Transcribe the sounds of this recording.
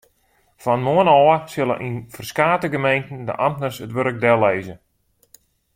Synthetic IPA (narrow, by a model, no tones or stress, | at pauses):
fɔnmuənɔːəsɪlˠə̰nʔinfərskaːtəɡəmejntən̩də̰ʔamtnərsətʋøɾək̚dɛleːzə